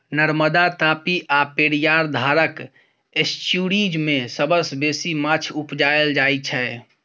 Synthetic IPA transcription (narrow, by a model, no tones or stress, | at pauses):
nəɾməd̪at̪apiʔapeɽijaɾd̪ʱaɾək | esʈjuɽid͡ʒmẽsəbəsbesimat͡ʃʰupd͡ʒaeld͡ʒait͡ʃʰɛ